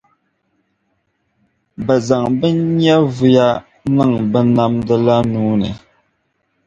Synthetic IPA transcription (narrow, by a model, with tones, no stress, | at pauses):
bə˨za˨ŋbə˦ɲja˦vu˨ja˦ | nɨ˦˨ŋbə˦na˦mdə˦la˦nuː˦nɛ̰˨